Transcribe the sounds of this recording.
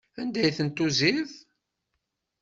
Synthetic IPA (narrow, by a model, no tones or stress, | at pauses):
ænd̪æjθənt̪ːuziθ